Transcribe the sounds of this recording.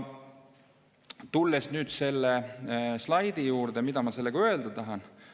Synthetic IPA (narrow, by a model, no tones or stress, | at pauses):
t̪ulːesnyːd̪se̞lːeslɑjd̪ijuːɾd̪̥emid̪ɑmɑse̞lːeɡ̥ø̞eld̪ɑt̪ɑɦɑn